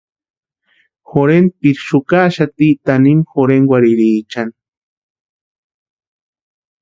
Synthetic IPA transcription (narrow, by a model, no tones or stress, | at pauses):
xoɾenpiɾʃukaʃat̪it̪animxoɾeŋwaɾiɾiːt͡ʃan